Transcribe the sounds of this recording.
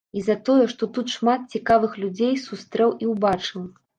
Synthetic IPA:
izɐt̪ɔjɛʂt̪ɔt̪ut̪ʂmat̪̚t͡sʲikavɨxlʲud͡zʲejsust̪ɾɛwʔiwbat͡ʂɨw

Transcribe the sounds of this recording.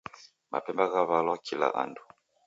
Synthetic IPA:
mʔa̰pɛmbaɣaβalwakʰila̰ʔa̰ndu

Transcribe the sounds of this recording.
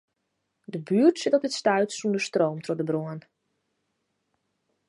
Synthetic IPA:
dəbyːərtsɪtɔp̚dɪtstœɥtsundəstroːmtʰrɔdəbroən

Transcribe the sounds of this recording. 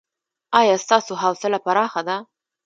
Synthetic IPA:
ɑjɑst̪ɑsoɦɑwsɪlapaɾɑxad̪a

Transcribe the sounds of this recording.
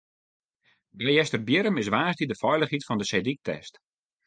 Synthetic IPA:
ɡɛjɛstərbjɪɾəmɪs̬ʋaːsdidəfɔjləχɦitfɔndəsedik̚tʰɛ̰st

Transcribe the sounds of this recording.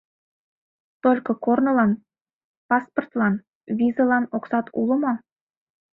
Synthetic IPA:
t̪olʲkɤ̆kornɤ̆lˠɑn | pɑsport̪lˠɑn | vʲizɤ̆lˠɑnoksɑt̪ṵlˠɤ̆mɑ

